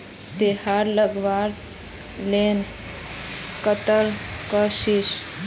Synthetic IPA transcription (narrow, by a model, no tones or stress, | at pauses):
t̪ehaɾləɡʋaɾ | len | kət̪əlkəʃiʃ